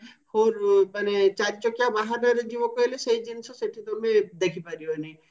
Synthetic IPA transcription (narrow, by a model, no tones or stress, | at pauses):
hoɾmanet͡ʃaɾit͡ʃɔkjabaɦadəɾd͡ʒiʋokɔeleseid͡ʒinsɔseʈʰid̪oɾmẽd̪ekʰipaɾiɦoni